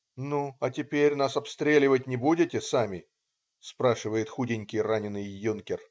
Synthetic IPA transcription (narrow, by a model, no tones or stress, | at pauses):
nuɐtʲɪpʲeɾʲnasɐpst̪ɾʲelʲɪvət̚ʲnʲɪbudʲɪtʲɪsamʲɪ | spɾaʂɨvəjɪt̪xudʲɪnʲkʲɪjranʲɪnːɨjːunkʲɪr